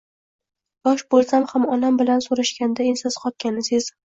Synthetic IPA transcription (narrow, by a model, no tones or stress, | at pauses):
bɒʃbolˠsamhamɒnambɪlansoɾaʃkʲand̪aensɪzqʰɒt̪̚kʲanɪsɪz